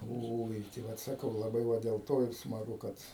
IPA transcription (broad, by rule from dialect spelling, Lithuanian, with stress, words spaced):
ˈoːɪ tɐɪ ˈʋɐt sɐˈkɐʊ lˠɐˈbɐɪ ˈʋɐ dʲeːlˠ ˈtoː ɪr smɐˈɡʊ ˈkɐt